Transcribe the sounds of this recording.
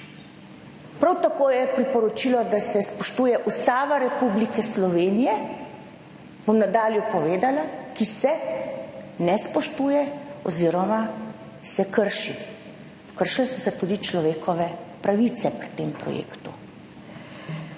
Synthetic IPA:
pɾawt̪akoːjɛpɾipɔɾɔt͡ʃiːlɔd̪asɛspɔʃt̪uːjɛʔust̪aːʋaɾɛpublikɛslɔʋeːnijɛ | b̥omnad̪aːljupɔʋeːd̪alakisɛ | nɛspɔʃt̪uːjɛɔ̰ziːɾɔma | sɛkəɾʃi | kəɾʃilɛsɔsɛt̪uːd̪it͡ʃlɔʋeːkʰɔʋɛpɾaʋit̪sɛpɾi̥t̪eːmpɾɔ̰jḛːkt̪u

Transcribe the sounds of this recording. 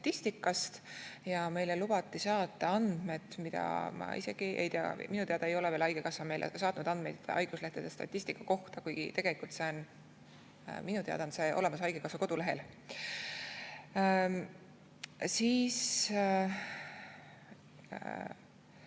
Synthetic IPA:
t̪ɑt̪ˑːist̪ikːˑɑst̪jɑme̞jlelub̥ɑt̪ːˑisɑːt̪ːˑɑɑnd̪̥me̞t̪mid̪̥ɑ̰mɑ̰ʔḭse̞̰ɡ̥iʔejt̪eɑ̰minut̪eɑd̪ɑejo̞leveːlɑjɡ̥ekɑsɑme̞jlʔḛsɑːt̪nud̪̥ɑnd̪mejd̪̥ɑ̰jɡ̥usleht̪ed̪̥est̪ɑ̰t̪ʲːˑisʲt̪ikːˑɑko̞ht̪ɑkujɡ̥ḭt̪e̞ɡ̥e̞likˑult̪se̞o̞n | minut̪eɑ̰d̪̥ɑnse̞ʔo̞le̞mɑs̬ɑjɡ̥ekɑsvɑko̞d̪̥ule̞ɦe̞l | siːs

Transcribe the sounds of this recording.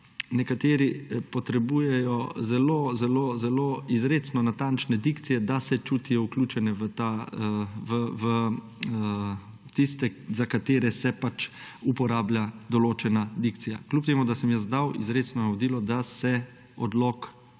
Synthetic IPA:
nɛkat̪eːɾipɔt̪ɾɛbuːjɛjɔzɛloːzɛloːzɛloːizɾeːt̪snɔnat̪ant͡ʃnɛd̪ikt̪sijɛd̪asɛt͡ʃuːt̪ijɔuklʲuːt͡ʃɛnɛʋət̪a | ʋəʋə | t̪ist̪ɛzakat̪eːɾɛsɛpat͡ʃupɔɾaːblʲjad̪ɔloːt͡ʃɛnad̪ikt̪sija̰klʲupt̪eːmud̪asɛmjəzd̪awḭzɾeːt̪snɔnaʋɔd̪iːlɔd̪asɛ | ɔd̪lok

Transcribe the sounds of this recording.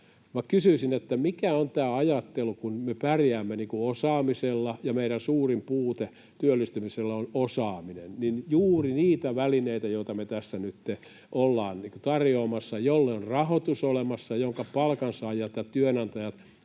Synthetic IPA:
ʋɑkysyisinet̪ːæmikæont̪æːɑjɑt̪ːelukunmepærjæːmːeniːŋkuosɑːmiselːɑjɑmeiɾænsuːrimpuːt̪e | t̪yølːist̪ymiselːɑonosɑːminenninjuːriniːt̪æʋælineit̪æjoit̪ɑmet̪æsːænyt̪ːe | ʔolːɑːnniːkut̪ɑrjoːmɑsːɑjolːeorrɑhot̪usolemɑsːɑjoŋkɑpɑlkɑnsɑɑjɑt̪jɑt̪yønɑnt̪ɑjɑt̪

